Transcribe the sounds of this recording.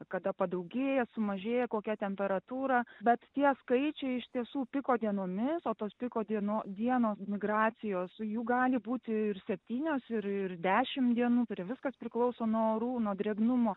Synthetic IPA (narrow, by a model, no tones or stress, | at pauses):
kɐd̪ɐpɐd̪ɐʊɡʲeːjɛsʊmɐʒʲeːjɛkoːkʲɛt̪ʲɛmʲpʲɛɾɐt̪uːɾɑːbʲɛt̪t̪ʲiɛskɐɪt͡ʃʲɛɪɪʃt̪ʲiɛsuːpʲɪkoːd̪ʲiɛnoːmʲɪsoːt̪oːspʲɪkoːd̪ʲiɛnoːd̪ʲiɛnoːsmʲɪɡrɑːt͡s̪ʲɪjoːsjuːɡɑːlʲɪbuːt̪ʲɪɪrsʲɛpʲt̪ʲiːnʲoːsɪɾɪrd̪ʲæːʃʲɪmd̪ʲiɛnuːpʲɛɾʋʲɪskɐspʲɾʲɪklˠɐʊsoːnuɔoɾuːnuɔd̪ʲɾʲɛɡnʊmoː